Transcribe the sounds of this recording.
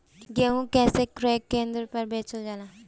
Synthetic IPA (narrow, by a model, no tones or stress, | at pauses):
ɡeɦũkɛːsekɾoekːẽːnd̪ɾpəɾbeːt͡ʃod͡ʒaːnaː